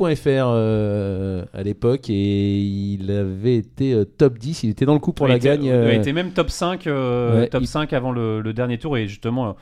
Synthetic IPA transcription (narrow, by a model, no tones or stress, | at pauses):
pwɛ̃ɛfɛʁø | a̰lepɔkeilavɛːt̪eøt̪ɔpd̪isilet̪ɛd̪ɑ̃ləkupuʁlaɡɡaɲøavɛet̪emɛmt̪ɔpsɛ̃køwɛt̪ɔpsɛ̃kavɑ̃lələd̪ɛʁnjet̪uʁeʒyst̪əmɑ̃